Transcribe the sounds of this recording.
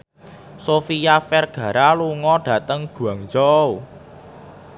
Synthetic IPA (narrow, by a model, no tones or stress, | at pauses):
sofijafɛrɡ̥ä̤ɾaluŋɔɖ̥ä̤t̪əŋɡ̥ṳaŋd͡ʒɔu